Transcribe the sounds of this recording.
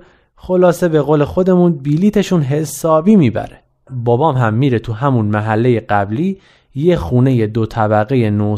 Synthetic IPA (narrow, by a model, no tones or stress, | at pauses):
xo̞lɒːse̞be̞ɣoːle̞xo̞d̪e̞munbiliːt̪ʰe̞ʃunɦe̞sɒːbiːmiːbæ̰ɾe | bɒbɒːmɦæmːiːɾet̪ʰuɦæmunmæɦælːe̞je̞ɢæbliː | jexuːne̞jed̪ot̪ʰæbæɣeje̞no